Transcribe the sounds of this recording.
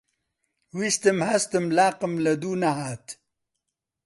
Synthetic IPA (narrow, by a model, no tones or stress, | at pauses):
wist̪əmhast̪əmlaːqəmlɐd̪unaɦaːt̪